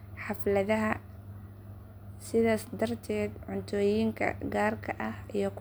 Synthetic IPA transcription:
ħɑflɐðɐɦɐ | sɪðaːsd̪ɐrt̪ʰɛːd̪ʕʊnt̪ʰɔːjiːŋkʰɐ̰ɡaːrkʰɐʔɐhijɞk

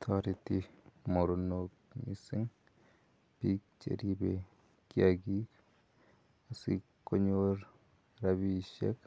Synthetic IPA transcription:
t̪ʰɔɾitimoɾonok̚mḭsɪŋ | pik̚t͡ʃḛɾibe | kiaɡik | asikːoɲoɾ | ɾaβiʃḛk

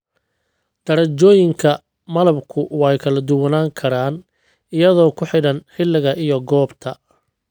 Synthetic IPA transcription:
d̪̥ɐɾɐt͡ʃɔːjɪŋkʰɐ | mɐlɐbkʰʊwɑjkʰɐlɐd̪ʊwɐnaːŋkʰɐɾaːn | ɪjɐðɔːkʰʊħɪɽɐnħɪlːɪɣɐʔɪjɔɡɔːbt̪ʰɐ

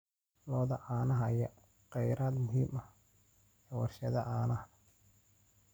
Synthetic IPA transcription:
lɔːðɐʔaːnɐɦɐjɐ | qɛjɾaːd̪mʊɦiːmɐ | ɛwɑrʃɐðɐʔaːnɐh

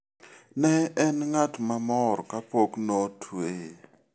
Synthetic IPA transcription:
nɛːnŋatʰʼumamɔɾɔkʼapʰʼoknotʰueː

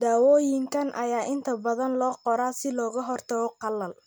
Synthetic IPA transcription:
d̪aːwɔːjɪŋkʰɐnʔɐjaːʔɪnt̪ʰɐbɐðɐnlɔːqɔɾaːsɪlɔːɣɐɦɔrt̪ʰɐɣɔqɑlːɐl

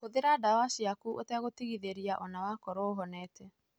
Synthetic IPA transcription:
ɣoðeɾadawasiakuʔotɛɣotiɣiðeɾiaʔɔnawakɔɾɔɦɔnɛːtɛ

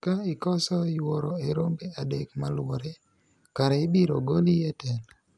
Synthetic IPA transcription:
kaikɔsɔjwɔɾɔeɾombeadekmalwɔɾe | kaɾaɪbiɾoɡolijɛtɛn

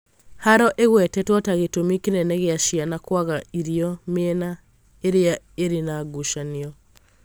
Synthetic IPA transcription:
haɾɔʔeɣwɛtɛtwɔtaɣetomikenɛnɛɣeaʃianakwaɣaiɾiɔmeɛna | eɾea | eɾenaɡuʃaneɔ

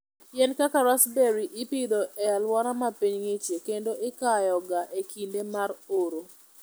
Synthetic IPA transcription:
jɛnkakaɾasbeɾiʔɪpid̪oʔɛalwɔɾamapiɲŋɪt͡ʃjekendoʔɪkajɔɡaʔekʰindemaɾoɾo

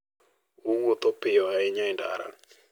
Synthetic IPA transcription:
owot̪opɪɔɛɪɲaɪnda̰ɾa̰

